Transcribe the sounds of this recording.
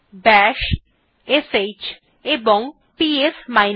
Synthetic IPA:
bɛʃ | eset͡ɕ | eboŋ | piesmajn

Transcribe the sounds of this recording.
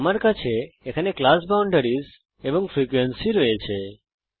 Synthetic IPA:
maɾkat͡ʃʰeːkʰaneklasbawɳɖəɾiz | eʋəŋɡfɾikʋensiɾəet͡ʃʰe

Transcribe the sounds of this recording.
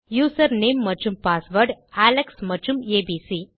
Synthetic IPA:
juːsɐɾneːmːɐt͡ʃumpaːsʋəɾɖæleksmɐt͡ʃumeːbisi

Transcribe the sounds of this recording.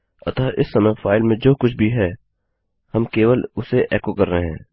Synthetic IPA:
ɐt̪aːʔɪsːɐməfaːɪlmẽd͡ʒoːkʊt͡ʃʰbʱiɦɛː | hɐmkeːʋəlʊseʔɛːkokɐɾːəɦeɦɛ̰̃ː

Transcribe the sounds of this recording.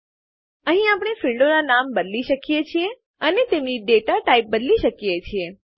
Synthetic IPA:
əɦĩapɽ̃efiɭɖonanambəd̪liʃəkijet͡ʃʰie | ənet̪emniɖeʈaʈaip̚bəd̪liʃəkijet͡ʃʰie

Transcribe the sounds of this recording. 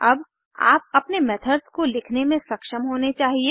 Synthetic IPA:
ɐb | a̰ːp̚ɐpnemɛːt̪ʰədzkolɪkʰnemẽsɐkʃəmɦoːnet͡ʃaːɦieː

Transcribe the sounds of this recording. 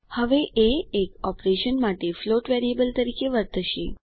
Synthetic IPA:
həʋeʔeːkɔpɾeʃənmaʈefloʈʋeɾiebəlt̪əɾikeʋəɾt̪əʃḛ

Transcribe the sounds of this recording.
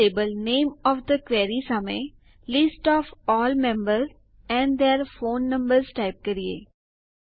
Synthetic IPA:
eːbəlnẽːmɔːfd̪əkʋeːɾisɐmẽː | lɪsʈɔːfɔːlmɛ̃mbəɾz | ɛ̃ɳɖd̪eːɾfõːnːɐ̃mbəɾzʈaɪp̚kɐɾiḛː

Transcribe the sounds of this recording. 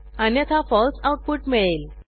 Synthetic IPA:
anjət̪ʰafɔlsawʈ̚puʈmeɭel

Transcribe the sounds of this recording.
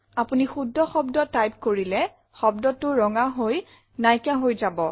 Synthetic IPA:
apunixudʱːɔxɔbdɔtːajp̚koɹilɛ | xɔbdɔtːʊɹɔŋaɦoj | najkaɦojzabɔ

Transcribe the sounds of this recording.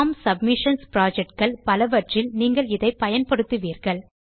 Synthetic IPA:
msɐb̚mɪʂɐnspɪɾaːd͡ʒɛk̚ʈkɐɭpɐlɐʋɐʈrɪlniːŋɡɐɭɪðɐɪpɐjɐnpɐɽɯt̪ːɯʋiːɾɣɐɭ

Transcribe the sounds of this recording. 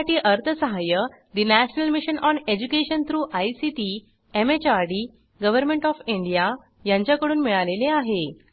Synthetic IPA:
ʈiːʔəɾt̪ʰəsəɦajə | d̪inæɕənəlmiɕənʔɔned͡ʑukeɕənt̪ʰɾuːʔajsiʈi | emet͡ɕaɾɖi | ɡəʋəɾmẽɳʈɔfiɳɖija | jãɲt͡ɕjakəɽuːnmiɭaleleaɦe

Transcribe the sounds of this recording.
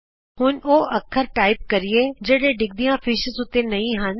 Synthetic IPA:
hʊnoːəkʰːəɾʈaːɪp̚kəɾɪeːd͡ʒeːɽeːɖɪɡ̚d̪ijãːfʰɪʃəzʊt̪ːeːnəĩːɦən

